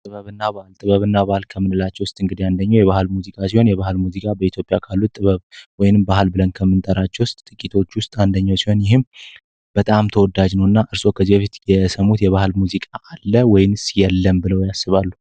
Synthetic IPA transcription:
t̪ʼɨβəβɨnːaβahlt̪ʼɨβəβɨnːabahɨlkʰəmːɨnɨlat͡ʃːɛwʊst̪ʼɨŋɡɨd̪iand̪əɲːawjɛβahlmuzikʼasiho̞njɛβahɨlmuzikʼabəit̪ʰjo̞pʼjakʰalːutt̪ʼɨβəβwɔjnɨmbahɨlbɨlənkʰəmːɨnt̪ʼəɾat͡ʃːɛwʊst̪ʼt̪ʼɨkʼit̪ʰo̞t͡ʃːwʊst̪ʼand̪əɲːawsiho̞njɪhɨm | b̥ət̪ʼamt̪ʰəwɔd̪ad͡ʒnəwnːaʔɨɾso̞kʰəzːibəfit̪jɛsəmut̪jɛβahɨlmuzikʼaʔːlːəwɔjɪnsjɛlːəmbɨləwjasːɨβalːu

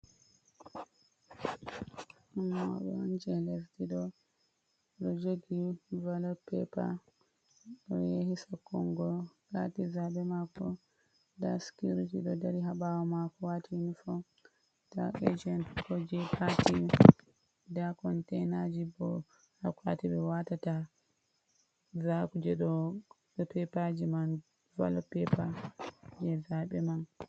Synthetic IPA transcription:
ʔɔnːa̰ɓɛɔnd͡ʒɛlɛftiɗɔ | ɗɔd͡ʒoɡivalɔpɛpa̰ | ɗɔ̰jehisakːɔŋɡɔ | ɾatizabɛmakɔ | daskiɾitiɗɔdaɾiɦaɓawɔmakɔwatʰiinifɔ | ta̰ʔed͡ʒɛntkɔd͡ʒɛpʰati | dakɔntɛnad͡ʒibɔ | hakwa̰tiɓɛwatata | zakud͡ʒɛɗɔ | pɛpad͡ʒiman | va̰lɔpɛpad͡ʒɛzaɓɛman

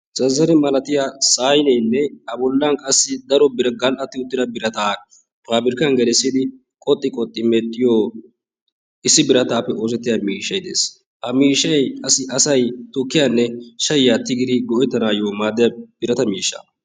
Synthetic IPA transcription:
t͡sʼɐzːɐnɛmɐlɐt̪ɪjaːsaːjnɛjnːɛɐbɔlːaŋkʼɐsːɪd̪ɐɾɔbɪɾɐɡɐlʔɐt̪ːɪʊt̪ːɪd̪ɐbɪɾɐt̪aː | paːbɪɾkɐnɡɛlɛsːɪd̪ɪ | kʼɔt̪ʼːɪkʼɔt̪ʼːɪmɛt̪ʼːɪjoː | ɪsːɪbɪɾɐt̪aːpːɛʔoːsɛt̪ːɪjɐmiːʃːɐjd̪ḛːs | hɐmiːʃːɐjɐsɪʔɐsɐjt̪ʊkːɪjanːɛʃɐjjaːt̪ːɪɡɪd̪ɪɡɔʔjt̪ːɐnaːjoːmaːd̪ːɪjɐb̥ɪɾɐt̪ɐmiːʃːɐ̰

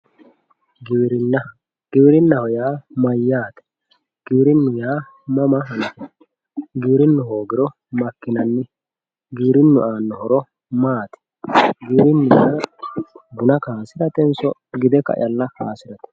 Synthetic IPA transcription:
ɡɾnɐ | ɡ̥ɪbɪɾɪnːɐhɔjaːmɐjːaːt̪ɛ̥ | ɡ̥iːɾɪnːʊjaː | mɐmɐɦɐnɐt̪ɛ | ɡiːɾɪnːʊɦoːɡɪɾɔ | mɐkːɪnɐnːɪ | ɡiːɾɪnːʊʔaːnːɔhɔɾɔ | maːt̪ɛ̥ | ɡiːɾɪnːʊjaː | ɡʊnɐkaːsɪɾɐt̪ɛnsɔɡɪd̪ɛkɐ̰ʔɪ̰j̰ɐlːɐhaːsɪɾɐt̪ɛ̥

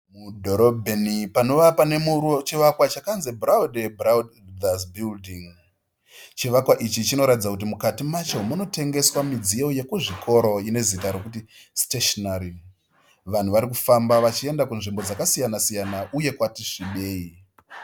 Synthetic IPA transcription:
mudʱo̞ɾobʱenipano̞ʋapane̞muot͡ʃiʋakwat͡ʃakanzebrawdebrawdasbildiŋ | t͡ʃiʋakwaʔit͡ʃit͡ʃino̞ɾatid͡zakut̬imukatimat͡ʃeomuno̞te̞ŋɡe̞swamid͡zijo̞je̞kuʐikʰo̞ɾo̞ine̞zitaɾo̞kuti | steʃonaɾi | ʋan̤uʋaɾik̬ufambaʋat͡ʃie̞ndakunʐimbo̞d͡zakasijanasijanaʔuje̞kwatiʂiɓe̞ːi

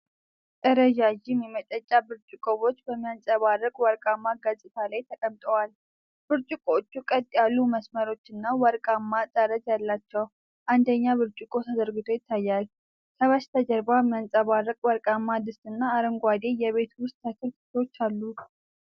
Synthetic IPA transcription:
t̪ʼəɾəd͡ʒaʒɪmːimət̪ʼət͡ʃʼːabɨɾt͡ʃʼɨkʼoβo̞t͡ʃːbəmːijansʼəβarːəkʼwəɾkʼamːaɡəsʼɨt̪ʰalajt̪ʰəkʼəmt̪ʼəwal | b̥ɨɾt͡ʃʼɪkʼot͡ʃːukʼət̪ʼjalːuməsməɾo̞t͡ʃːɨnːawəɾkʼamːat̪ʼəɾət̪jalːat͡ʃːɛw | ʔand̪əɲːaβɨɾt͡ʃʼɪkʼo̞t̪ʰad̪əɾɡɨt̪ʰo̞jɪt̪ʰːajːal | kʰəβaʃt̪ʰəd͡ʒəɾbamːijansʼəβarːəkʼwəɾkʼamːad̪ɨst̪ʼɨnːaːɾəŋɡʷad̪e̞jɛβe̞t̪wʊst̪ʰːəkʰɨɾt̪ɨ̥t̪ʰot͡ʃːalːu

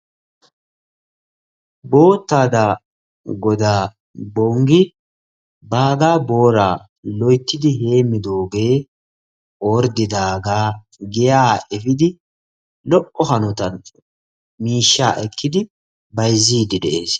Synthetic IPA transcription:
bo̞ːt̪ːaːd̪a | ɡɔd̪aː | bɔŋɡɪ | baːɡaːbo̞ːɾa̰ː | lɔjt̪ːɪd̪ɪɦe̞ːmːɪd̪o̞ːɡe̞ː | oːɾd̪ɪd̪aːɡaː | ɡɛjaːɛfɪd̪ɪ | lɔʔːɔhɐnɔt̪ɐn | miːʃːa̰ːʔɛkːɪd̪ɪ | bɐjzːiːd̪ɪd̪ɛʔe̞ːs

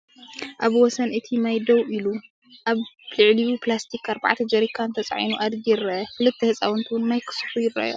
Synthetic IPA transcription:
ʔaβwɔsɐnʔɨt̪ʰimajd̪ɐwʔilu | ʔaβlɨʕlijuplast̪ʰikʰːaɾba̰ʕt̪ʰɐd͡ʒɐɾikʰːant̪ʰɐt͡sʼaʕinuʔad̪ɡiɾɐkɨlɨt̪ʰːihɨsʼawɔnt̪ʰuwʊnnajkʰɨ̥sfujɪra̰jo

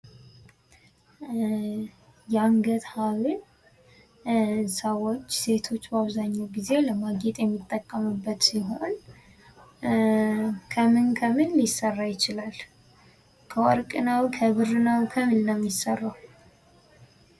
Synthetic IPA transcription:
jɛaŋɡət̪haβɨn | səwo̞t͡ʃːse̞t̪ʰo̞t͡ʃːbaβzaɲːawɡize̞ləmaɡet̪ʼjɛmːit̪ʼːəkʼːəmɨbːət̪siɦo̞n | kʰəmɨnkʰəmɨnlɪsːərːajɪt͡ʃɪlal | kʰəwɔɾkʼɨnawkʰəβɨrɨnawkʰəmɨnnəmjɪsərːaw

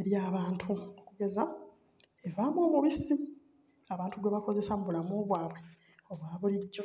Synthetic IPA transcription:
eɾjaːβaːntʰuokuɡe̞za | e̞vaːmoːβuβisi | aβaːntuɡweβako̞ze̞samuβulamoːβwaːβwe | o̞βwaːβuliɟːo̞

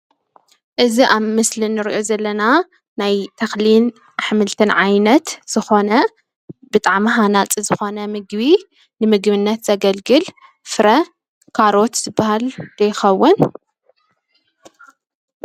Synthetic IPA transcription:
ʔɨziʔaβmɨslinːɨɾʔo̞zɐlːɐna | najt̪ʰɐxlin | ħɨmɨlt̪ʰɨnʕajnɐt̪z̥ɨxo̞nɐ | bɨt̪ʼaʕmɦanat͡sʼizɨxo̞nɐmɨɡbi | nɨmɨɡβɨnːɐt̪z̥ɐɡɐlɡɨl | fɨɾɐ | kʰaɾo̞t̪z̥ɨbːahald̪̥ɐjɪxɐwːʊn

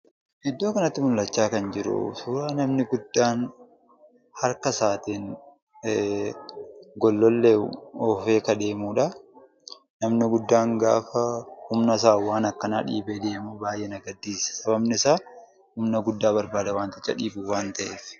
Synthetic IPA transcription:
ʔɪd̪ːo̞ːkɐnɐt̪ːɪmʊlːɐt͡ʃːaːkɐnd͡ʒɪɾʊ̰sʊːɾaːnɐmnɪɡʊd̪ːaːn | hɐɾkɐsaːt̪iːn | ɡɔlːɔlːeɔːfe̞ːkɐd̪e̞ːmuːᶑɐ | nɐmnɪɡʊd̪ːaːŋɡa̰ːfɐhʊmnɐs̬aːwaːnɐkːɐnaːᶑḭːbeːd̪e̞ːmuːbaːjʔɛnɐɡɐd̪ːiːsɐ̥sɐbɐbnɪsaː | hʊmnɐɡʊd̪ːaːbɐɾbaːd̪ɐwaːnt̪ɪt͡ʃːɐ̰ᶑiːbuːwaːnt̪ɐʔeːf

